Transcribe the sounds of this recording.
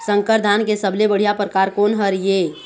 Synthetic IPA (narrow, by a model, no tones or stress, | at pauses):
sə̃ŋkəɾd̪ʱankesəblebəɽ̤ijapɾəkaːɾkoːnɦəɾje